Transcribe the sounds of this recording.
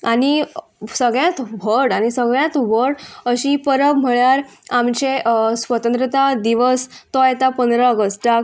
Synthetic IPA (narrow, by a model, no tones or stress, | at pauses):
ani | səɡɭjãt̪ʋəɽaɽ̃isəɡɭjãt̪ʋəɽəɕipəɾəbm̤əɭaɾamt͡ɕesʋət̪ənt̪ɾət̪ad̪iʋəst̪ɔjet̪apənd̪ɾaəɡəsʈak